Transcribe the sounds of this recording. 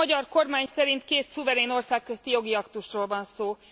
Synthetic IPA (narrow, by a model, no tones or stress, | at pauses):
ɒɟɒrko̞rmaːɲsɛɾint̪keːt̪suvɛɾeːno̞rsaːkːøzt̪ijo̞ɡiɒkt̪uʃroːlvɒnsoː